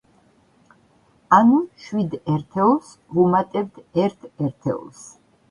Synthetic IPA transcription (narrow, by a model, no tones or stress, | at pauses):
anuʃwid̪ɛɾt̪ʰɛɔs | vumat̪ʼɛbt̪ʰɛɾt̪ʰɛɾt̪ʰɛ̰ɔ̰ls